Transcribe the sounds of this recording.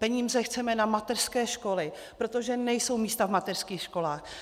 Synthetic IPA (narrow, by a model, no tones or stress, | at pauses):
pɛɲiːzɛxt͡sɛmɛnamat̪ɛr̥skɛːʃko̞lɪ | pɾot̪o̞ʒɛnɛjso̞wmiːst̪avmat̪ɛr̥skiːxʃko̞laːx